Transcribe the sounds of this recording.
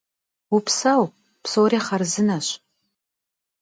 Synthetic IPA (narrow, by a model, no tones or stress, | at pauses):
upʰsaw | pʰsowɾiχarzɨnaʃʷ